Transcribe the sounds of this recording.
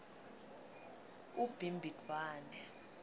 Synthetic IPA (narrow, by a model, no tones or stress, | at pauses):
ub̥ʱimbʱitaːnɛ